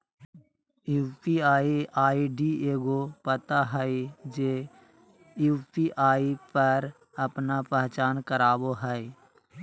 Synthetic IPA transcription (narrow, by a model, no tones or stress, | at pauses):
juːpiaːiaːiɖieːɡopət̪aɦəid͡ʒeː | juːpiʔaːipəɾ | əpnapəɦt͡ʃaːnkəɾaːboɦɛe